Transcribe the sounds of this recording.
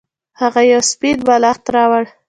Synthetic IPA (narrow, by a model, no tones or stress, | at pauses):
haɣajawsped̪̚balɑxt̪ɾɑwaɽ